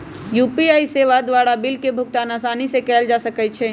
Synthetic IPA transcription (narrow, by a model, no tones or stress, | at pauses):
juːpiajseʋad̪ʋaːɾabɪlkebʱʊk̚t̪anasaːnisekɛːld͡ʒasəkɛt͡ʃʰɛ